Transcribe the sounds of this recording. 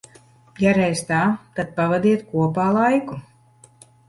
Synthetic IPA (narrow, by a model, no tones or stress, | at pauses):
jaɾɛjst̪aːt̪ad̪̥̚pavad̪iɛt̪kuɔpaːlˠajku